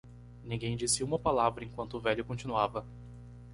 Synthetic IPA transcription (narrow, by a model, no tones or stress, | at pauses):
nĩɡẽj̃d͡ʒisɪũmɐpalavɾɐẽŋkwɐ̃nt̪ʊːvɛʎʊkõnt͡ʃĩnuavɐ